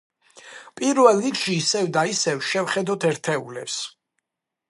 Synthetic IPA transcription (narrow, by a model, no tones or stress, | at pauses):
pʼiɾvɛlˠɾikʰʃiːsɛvd̪aisɛvʃɛvχɛd̪ɔt̪ʰɛɾt̪ʰɛulɛps